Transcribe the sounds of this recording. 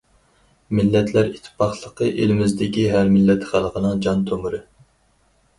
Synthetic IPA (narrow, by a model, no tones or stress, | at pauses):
mɪlːɛt̪ʰlæɾi̥t̪ʰːɪ̥pʰɑχlˠəqʰəʔelmɪzd̪ɪkʲiɦæɾmɪlːɛt̪χælˠəqənɨŋd͡ʒɑnt̪ʰomuɾɨ